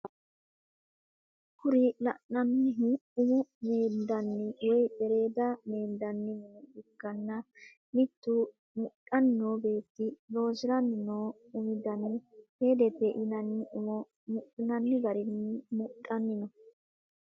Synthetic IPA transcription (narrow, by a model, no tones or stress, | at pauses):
kʊɾɪlɐ̰nːɐnːɪɦɪʊmʊmeːnd̪ɐnːɪwɔjbɛɾe̞ːd̪ɐmeːnd̪ɐnːɪmɪnɪkːɐnːɐ | mɪt̪ːu | mʊtːɐnːoːbe̞ːt̪ːɪlo̞ːsɪɾɐnːɪnoː | ʊmɪd̪ɐnɪheːd̪ɛbɛʔɪnɐnːɪʔʊmɔ | mʊʔnɐnːɪɡɐɾɪnːɪmʊtʼːɐnːɪnɔ